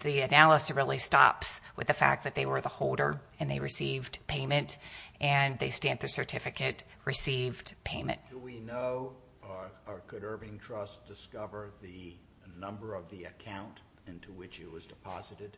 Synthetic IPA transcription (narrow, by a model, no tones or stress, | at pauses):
ðiɨnælˠəsiɹɪlˠistɑ̰pswɨ̰ðɨfæ̰k̚ðɨt̪̚ðeɪwə˞ðəhoʊlˠdə̰˞ɨ̃nðeɪɹɨsivdpʰẽɪ̃mɨ̃ntʔɨ̃nðeɪstæ̃nðə˞sə˞tʰɪfɨkɨt̚ | ɹɨsivdpʰẽɪ̃mɨ̰̃nt̚dɨwinoʊ | kʰɨɾɜ˞bɪ̃ŋtʰɹ̥ʌsd̥ɨskʌvə˞ðɨ | nʌ̃mbə˞ʌvðiɨkʰãʊ̃nt | ɪ̃ntʰuwɪt͡ʃɨt̚wʌzdɨpʰɑ̰zɨɾɨd̥